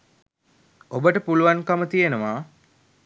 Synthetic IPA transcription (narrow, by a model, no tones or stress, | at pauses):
obəʈəpuluʋaŋkɐmət̪ijenəʋaː